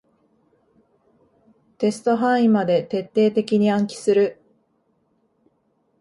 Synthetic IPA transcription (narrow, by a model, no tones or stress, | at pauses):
t̪e̞sɨ̥t̪o̞ɦãɰ̃ĩmad̪e̞t̪e̞t̪ːe̞ːt̪e̞kʲiɲ̟iãŋkʲi̥sɨɾɯ̟